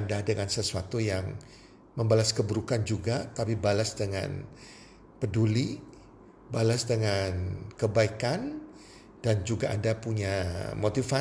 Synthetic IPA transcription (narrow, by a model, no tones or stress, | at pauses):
ndadəŋansəsuat̪ujaŋ | məmbalaskəbəɾukand͡ʒuɡat̪apibalasdəŋa̰n | pəduli | balasdəŋankəbaikan | d̥and͡ʒuɡaʔandapuɲamot̪ifa